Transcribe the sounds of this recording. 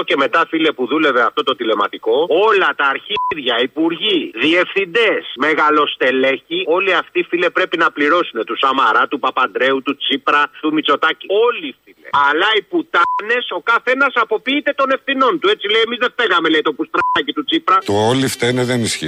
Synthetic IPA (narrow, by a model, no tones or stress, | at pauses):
oce̞me̞t̪ɐfile̞puðule̞ve̞ɐft̪o̞t̪o̞t̪ile̞mɐt̪iko̞o̞lɐt̪ɐːɾçiɾʝɐipuɾʝiðie̞fθind̪e̞sme̞ɣɐlo̞st̪e̞le̞çio̞liɐft̪ifile̞pɾe̞pinɐpliɾo̞sune̞t̪usɐmɐɾɐt̪upɐpɐnd̪ɾe̞ut̪ut͡sipɾɐt̪umit͡so̞t̪ɐcio̞lifilḛɐlɐiput̪ɐne̞so̞kɐθe̞nɐsɐpo̞piːt̪e̞t̪o̞ne̞fθino̞nt̪ue̞t͡sileiemizðefeɣɐme̞leit̪opust̪ɾɐɐcit̪ut͡sipɾɐt̪oolift̪eneðenisçḭ